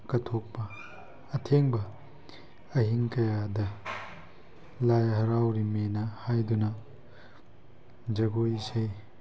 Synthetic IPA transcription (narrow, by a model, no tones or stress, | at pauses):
kɐtʰok̚pɐː | tʰeŋbɐ | ɐɦiŋkɐjadɐ | lajɦɐɾawɾimenɐhajdunɐ | d͡ʒɐɡojisej